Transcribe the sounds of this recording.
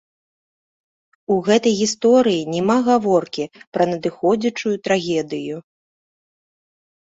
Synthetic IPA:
uɣɛt̪ɐjɣʲist̪ɔɾɨjinʲɛmaɣavɔrkʲipɾɐnɐd̪ɨxɔd͡zʲɐt͡ʂujut̪ɾaɣʲɛd̪ɨju

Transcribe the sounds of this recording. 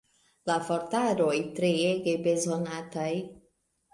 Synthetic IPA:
lafoɾtaɾo̞jtɾeeɡebe̞zonataj

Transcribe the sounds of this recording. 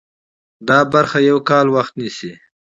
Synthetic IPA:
d̪ɑːbaɾxajawkɑːlwaxt̪nisi

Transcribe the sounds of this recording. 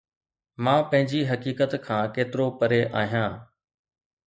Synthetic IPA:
mãːpɐ̃ɦɪ̃ɲd͡ʑiɦɐkiːkət̪kʰãːkeːt̪ɪɾopəɾeʔaːɦijãː

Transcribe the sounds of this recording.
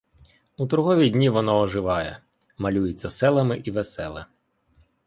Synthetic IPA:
ut̪ɾʊɦɔʋʲidʲnʲiʋɔnɔɔʒɪʋɑjɛ̰ | mɐlʲujʊt͡sʲːɐsɛlˠɐmɪʔiʋesɛlˠɪ̰

